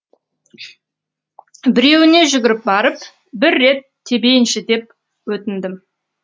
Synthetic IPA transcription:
bɪɾe̞wɪne̞ʒʏɡʲɪɾɪp̚bɑɾəp | bɪɾːe̞t̪ʰːe̞be̞jɪnʃɪd̪e̞p̚ | wɵt̪ɪnd̪ɪm

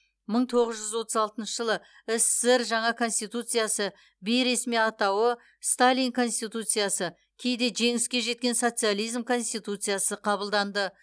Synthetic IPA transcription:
məɴt̪ʰo̞ʁəzʒʏzwo̞t̪əzɑlˠt̪ənʃəʒəlˠə | ɪsːɪɾʒɑɴɑkʰo̞nsʲt̪it̪ut̪sɨjasə | bejɾesmijɑt̪ɑwə | st̪alʲijŋkʰo̞nsʲt̪it̪ut̪sɨjasə | kʲʰe̞jd̪e̞ʒe̞ŋɪskʲe̞ʒe̞t̪̚kʲe̞nso̞t̪sɨjalˠijzmkʰo̞nsʲt̪it̪ut̪sɨjasəqʰɑβəlˠd̪ɑnd̪ə

